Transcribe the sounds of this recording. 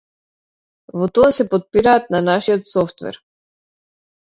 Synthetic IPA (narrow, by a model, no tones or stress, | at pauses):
vɔt̪ɔasɛpɔt̪̚piɾaːt̪̚nanaʃiɔt̪sɔft̪vɛ̰ɾ